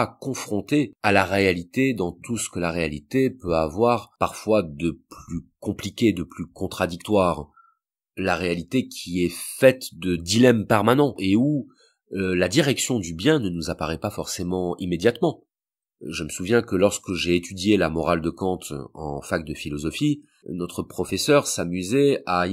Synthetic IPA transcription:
akɔ̃fχɔ̃t̪ealaʁealit̪ed̪ɑ̃t̪usə̥kəlaʁealit̪epøavwaʁpaʁfwad̪əplykɔ̃plikʲed̪əplykɔ̃t̪χad̪ik̚t̪waʁ | laʁealit̪ekʲʰiɛfɛt̪d̪əd̪ilɛmpɛʁmanɑ̃ʔeu | lad̪iʁɛksjɔ̃d̪ybjɛ̃nənuzapaʁɛpafɔʁsemɑ̃imed̪jat̪mɑ̃ | ʒəməsuvjɛ̃kəlɔʁskəʒeːt̪yd̪jelamɔʁald̪əkɑ̃t̪ɑ̰̃fak̚d̪əfilɔzɔfi | nɔt̪χəpχɔfɛsœʁsamyzɛa

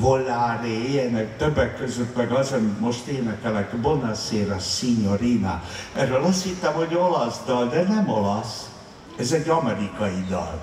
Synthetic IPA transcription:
volːaːɾeiɛnɛkt̪øbːɛkːøzøt̪mɛɡɒzɛnmo̞ʃt̪eːnɛkɛlɛkbonɑseːɾɑsiɲoɾinaɛɾølɒst̪hit̪ːɛmho̞ɟo̞lɒsd̪ɒld̪ɛnɛmolɒs | ɛzɛɟːɒmɛɾikɒjid̪ɒ̰l

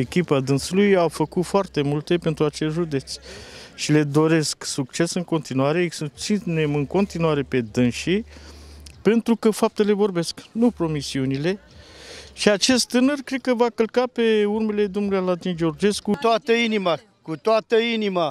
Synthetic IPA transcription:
ekʲipad̪ɨnsulujawfəkut̪foart̪e̞mult̪e̞pe̞nt̪ɾuat͡ʃesʒud̪e̞t̪sʲʃile̞d̪o̞ɾe̞sksuk̚t͡ʃe̞sɨŋko̞nt̪inuaɾeesut̪sinemɨŋko̞nt̪inuaɾe̞pe̞d̪ɨnʃi | pe̞nt̪ɾukəfap̚t̪e̞le̞vo̞rbe̞sknupɾo̞misiunile̞ | ʃiat͡ʃe̞st̪t̪ːɨnərkɾe̞d̪̚kəvakəlkape̞urme̞le̞d̪omnulujalat̪ind͡ʒeo̞rd͡ʒe̞skut̪oat̪əinima | kut̪oat̪əinima

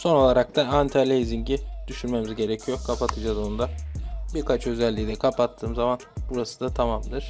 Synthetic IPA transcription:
so̞no̞lˠaɾak̚t̪ʰaant̪ʰalʲejziɲɟid̪̥yʃynme̞mizɟe̞ɾecʰijo̞kʰapʰat̪ʰɯd͡ʒazo̞nd̪abiɾkʰat͡ʃø̞zɛlʲːid̪ɛkʰapat̪ʰːɯːmzamanbuɾasɯ̥d̪at̪ʰamamd̪ɯɾ̥

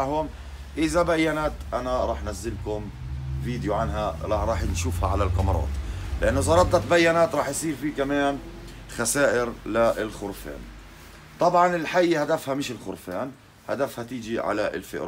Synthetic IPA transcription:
hʊm | ʔɪzabajːanat̪ʔanaɾˤɑːħnazːɪlkʊm | viːd̪juʕanɦaɾˤɑɾˤɑːħnʃuːfhaʕalalqɑmɾˤɑ̰ːt̪ˤlɪʔanːʔɪzɑɾˤɑt̪ːɑt̪̚bajːanaːt̪ɾˤɑːħjsˤiːɾfiːkamaːn | xasaːʔɪɾlaɪlxʊɾfa̰ːn | t̪ˤɑbʕɑnɪlħajːhad̪afhamɪʃɪlxʊɾfaːn | had̪afhat̪ɪːd͡ʒiʕa̰laʔɪ̰lfɪ̰ʔɾ

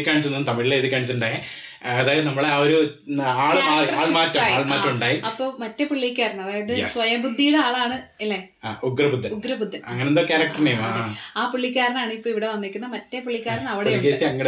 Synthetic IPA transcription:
kʲːaːɳit͡ɕːunːnːt̪ɐmiɭileðikʲːaːɳit͡ɕːuɳɖae | ɐðaːjɐðɨnɐmːɐɭeaoɾu | aːɭaːɭɐaːɭɐmaːtːɐmaːaːɭmaːtːɐmuɳɖaːjiɐpːo̞ːmɐtːepuɭːikʲːaːɾɐnɐɐðaːjɐðɨjsʋɐjɐmbud̪ʱːijuɽeaːɭaːɳɨilːe | aːʔuɡɾɐbud̪ʱːɐuɡɾɐbud̪ʱːɐnɐŋːɐnenokaːɾɐk̚ʈɐrnejmaaːpuɭːikʲːaːɾɐnaːɳɨipːoːiʋiɽe̞ʋɐnːikʲːunːɐmɐtːepuɭːikʲːaːɾɐnɐʋiɽekeːsiɐŋːɐɽe

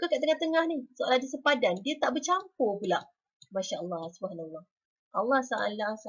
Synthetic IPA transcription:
ukakaʔt̪əŋaht̪əŋahnisoʔaladasəpadandiət̪aʔbət͡ʃampɔpula | maʃaʔəlːɑhsubəɦanalːɑh | ʔɑlːɑhsaʔa̰llasa

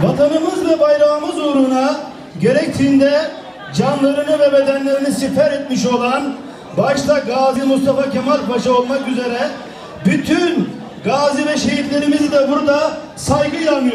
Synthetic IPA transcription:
vat̪ʰanɯmɯzvɛbajɾaːmɯzuɾuna | ɟe̞ɾɛc̚t̪ʰiːnd̪ɛ | d͡ʒanlˠaɾɯnɯvɛbe̞d̪ænlʲe̞ɾinisipɛɾɛt̪miʃ̬o̞lˠan | baʃlˠaɡaːzimust̪ʰafacʰemaɾbaʃɯo̞lˠmakyze̞ɾɛ | byt̪ʰyn | ɡaːzivɛʃe̞ɦiflʲe̞ɾimizid̪ɛbuɾd̪a | sajɡɯilˠanmɯjo

